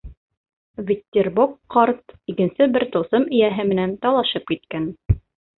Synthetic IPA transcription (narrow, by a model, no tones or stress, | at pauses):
vʲɪt̪ʲːerbukqɑɾt̪ikɘ̆nsɘbɘɾt̪ŏwθɤmɘ̆jæɦɘmɘ̆nænt̪ɑlˠɑʃɤp̚kit̪̚kæn